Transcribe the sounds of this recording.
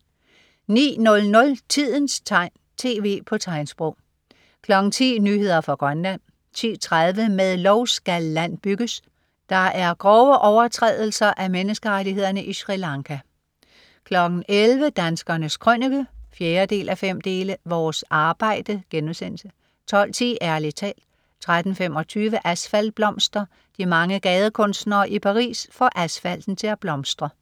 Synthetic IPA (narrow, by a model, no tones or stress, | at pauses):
nḭːnɔ̽lnɔ̽lt͡sʰið̞̰ˠn̩st͡sʰɑ̈ɪ̰n | t͡sʰe̝ːʋe̝̰ːpʰɒ̽t͡sʰɑ̈ɪ̰nsb̥ʁɔʊ̰ | kʰlɒ̽ɡ̥n̩t͡sʰḭːnyːhe̝ð̰ˠɐfʁɑ̈ɡ̥ʁɶnlæn̰ | t͡sʰḭːt͡sʰʁað̞ˠʋəmeðˠlɒʊsɡ̥ælːæn̰b̥yɡ̥əs | d̥ɑ̈ʔæɐɡ̥ʁɒʊəʔɒʊɐt͡sʰʁɛ̰ðˠl̩sɐʔæmenəsɡ̥əʁadihe̝ð̞̰ˠɐnəʔiɕʁilɑ̈ŋkʰæ | kʰlɒ̽ɡ̥n̩ʔelʋəd̥ænsɡ̥ɐnəskʰʁœniɡ̥əfjeːɐd̥e̝̰ːlʔæfem̰d̥e̝ːləʋɒːsɑ̈ːb̥ɑ̈ɪ̰d̥əɡ̥enm̩sen̰sə | t͡sʰɒ̽l̰t͡sʰḭːʔæɐlit͡sʰɛ̰ːl̥ | t͡sʰʁad̥n̩fem̰ɒ̽t͡sʰyːʋəʔæsfæl̰b̥lɒ̽msd̥ʁɐ | d̥imɑ̈ŋəɡ̥ɛːð̞ˠəkʰɔ̽nsd̥nɐːʔipʰɑ̈ʁḭːsfɒʔæsfæl̰d̥n̩t͡sʰe̝læb̥lɒ̽msd̥ʁɐ